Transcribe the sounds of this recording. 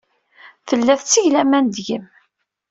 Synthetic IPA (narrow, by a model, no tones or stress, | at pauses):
θəlːæθt͡sːiʝlæmænd̪ʝəm